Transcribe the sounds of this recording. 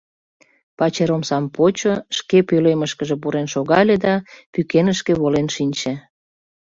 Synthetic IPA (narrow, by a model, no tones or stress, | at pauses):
pɑt͡ɕeɾomsɑmpot͡ɕoʃkepøleməʃkəʒep̬uɾenʃoɣɑlʲed̪ɑpykenəʃkĕβolenʃinʲt͡ɕe